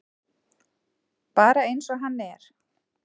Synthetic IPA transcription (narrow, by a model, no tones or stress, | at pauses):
paːɾaejnsɔɦanːɛɾ̥